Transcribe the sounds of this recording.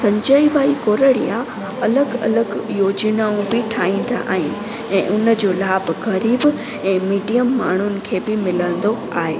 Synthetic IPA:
sɐ̃ɲd͡ʑəiʋaːikoːɾəɽḭja | ɐləɡɐ̰ləɡjoːd͡ʑnaũbɪʈʰaːɦĩːn̆d̪a̰ʔa̰ːɦɪnɪ̆ | ɛ̃ːʔʊnə̆d͡ʑoːlaːbɣɐɾiːb | ɛ̃ːmiːɖijəmːaːɳ̤ʊnɪ̆kʰeːbɪmɪlə̃n̆d̪o | a̰ːɦeː

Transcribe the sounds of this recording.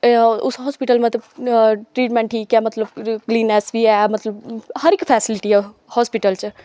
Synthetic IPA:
usɦɔspiʈəlmẽt̪eʈɾiːʈmẽɳʈʰikjamɐt̪ləbkliːnɛsbiɛmɐt̪ləbhɐɾikpʰɛːsiliʈiɦɛ | hɔspiʈəlt͡ʃʰə

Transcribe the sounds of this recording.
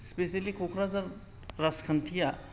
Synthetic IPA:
spesɐlikʰokʰɾazɐɾ | ɾɐskʰənt̪ʰija

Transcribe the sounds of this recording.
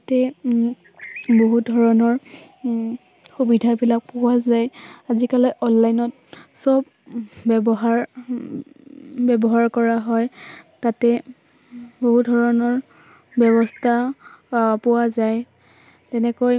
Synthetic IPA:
atɛ | boɦudʱɔɹɔnɔɹ | xubidʱabilak̚pʊwazajazikalɔjʔɔnlajnɔt | sɔb̚ | bbɔɦaɹ | bɛbɔɦaɹkɔɹaɦɔjtatɛ | boɦudʱɔɹɔnɔɹ | bjɔbɔstʰa | pʊwazaj | tɛnɛkoj

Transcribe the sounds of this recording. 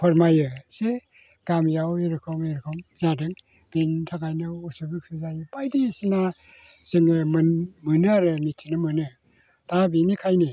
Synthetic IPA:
pʰɔɾmajɯse | ɡ̥amjaweɾɯkʰɯwmeɾkʰɯmzadɯŋ | b̥intʰakajnɯusubikʰɯzajbajdisina | seŋemmɯnɯaɾɯmitʰinɯmɯnɯ | tʰabinikʰajni

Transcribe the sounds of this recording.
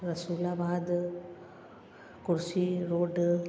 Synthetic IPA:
ɾɐsuːlaːbaːd̪ | kʊɾsiɾoːɖ

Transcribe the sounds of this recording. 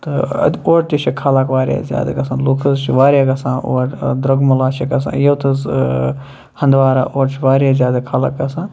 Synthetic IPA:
t̪ɨɐ̰oːɾt̪it͡ʃʰikʰaːlakʋaːɾja̰zʲja̰ːd̪a̰ɡɐsãːnloːkʰt̪ʰɐzt͡ʃʰiʋaːɾʲjaːɡɐsãːʔo̰ːʈd̪ɾɐɡmɐlaːt͡ʃʰiɡɐsã̰ːjɐwt̪ʰɐz | hɐ̃nd̪ʋaːɾaʔoːɾt͡ʃʰiʋaːɾjaːzʲjaːd̪akʰaːla̰ːk̚ɡɐsãː

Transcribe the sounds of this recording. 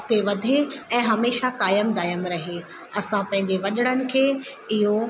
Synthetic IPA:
t̪eʋɐd̪ʱeɛ̃ːɦɐmeːʃakaːjəmd̪aːjəmɾɐɦe | ɐsãpɐ̃ɦɪ̃ɲd͡ʑeʋɐɗɪɽ̃ənɪ̆kʰeː | ɪɦo

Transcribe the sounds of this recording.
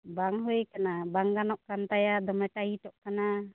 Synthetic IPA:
baŋɦɔjkanabaŋɡanɔʔkant̪ajad̪ɔmɛʈait̪ɔʔkana

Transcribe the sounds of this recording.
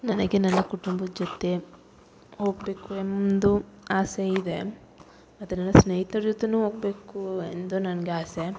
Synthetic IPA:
nɐnɐɡenɐnːɐkuʈumbɐd͡ʒot̪ːe | ɦoːɡbe̞ːkuemd̪uaːseid̪e | mɐt̪ːunɐnːɐsnejit̪ɐɾd͡ʒut̪ːenuːɦoːɡ̚beːkuend̪unɐnɐɡeaːse

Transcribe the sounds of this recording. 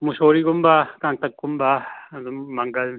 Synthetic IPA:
muʃoːɾiɡʊmbakãŋ̚t̪ɐk̚ɡʊmbaː | mɐŋɡɐl

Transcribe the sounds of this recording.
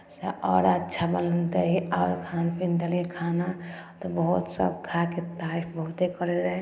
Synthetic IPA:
seʔɔːɾətːʃʰabəlnt̪eɦiɔːɾkʰanpʰinɖəlekʰanat̪ɔbəɦut̪sə̰bkʰaket̪aːɾipʰbəɦut̪ekəɾeɾəɦɛ̃

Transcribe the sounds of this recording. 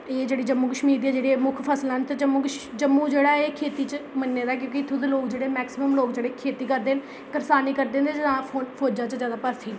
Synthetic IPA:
eːd͡ʒeːɽiːd͡ʒəmːuːkəʃmiːɾd̪iːɛːd͡ʒeːɽeːmʊkʰpʰəslãːnt̪ed͡ʒəmːũːkəʃd͡ʒəmːũːd͡ʒeːɽaːeːkʰeːt̪iːt͡ʃmənːeːd̪aːk̬jõːkɪɪt̪ʰːuːd̪eloːkd͡ʒeːɽeːmɛːksɪməmloːkd͡ʒeːɽeːkʰeːt̪iːkəɾd̪eːn | kəɾsaːniːkəɾd̪ẽːnd̪et̪ãːoːpʰoːd͡ʒãːt͡ʃzjaːd̪aːpəɾt̪ʰiː

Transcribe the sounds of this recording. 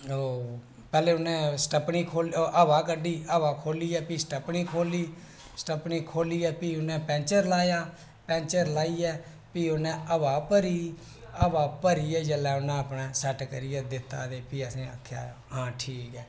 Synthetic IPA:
oː | pɛːleːʊnẽːsʈəpɳiːkʰoːlʔəʋaːkəɖiːəʋaːkʰoːliːɛːpiːsʈəpɳiːkʰoːliː | sʈəpniːkʰoːliːɛːpiːʊnɛ̃ːpɛ̃ːnt͡ʃəɾlaːjaː | pɛ̃ːnt͡ʃəɾlaːiːɛː | piːʊnɛ̃ːʔəʋaːpəɾiː | əbaːpəɾiːɛːd͡ʒəlɛːʊnɛ̃ːəpɳɛːsɛʈkəɾiːɛːd̪ɪt̪ːa̰ːd̪eːpiːəsĩːakʰːja̰ː | ɦãːʈʰiːkɛː

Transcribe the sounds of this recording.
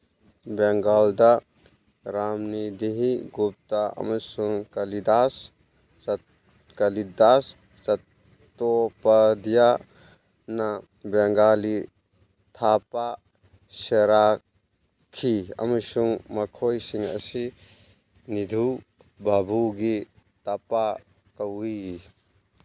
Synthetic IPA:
bɛŋɡald̪a | ɾaːmnid̪iɦiɡup̚t̪aɐ̰mɐsuŋkɐlid̪as | kɐlid̪as | sɐ | t̪opɐd̪ija | na | beŋɡaːli | t̪ʰaːpa | ʃeɾaː | kʰiɐ̰mɐsuŋmɐkʰoːjsiŋɐ̰si | nid̪ʱu | babuɡi | t̪apa | kɐwii

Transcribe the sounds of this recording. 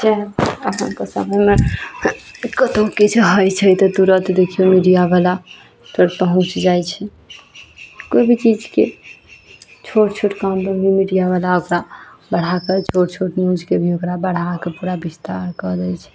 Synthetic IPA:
d͡ʒɛəpənkesə̰məjme | kət̪okit͡ʃʰɦəjt͡ʃʰɛjt̪ɔd̪uɾət̪d̪ekʰijomiɖijabala | t͡ʃʰəʈpəɦũt͡ʃd͡ʒajt͡ʃʰɛ | kojbʱit͡ʃid͡ʒke | t͡ʃʰoʈt͡ʃʰoʈkambəɡimiɖijaβalaokɾabəɽ̤aket͡ʃʰoʈt͡ʃʰoʈnũd͡ʒkebʱiokɾabəɽ̤akepuɾabist̪aɾkəd̪ɛjt͡ʃʰɛ̥

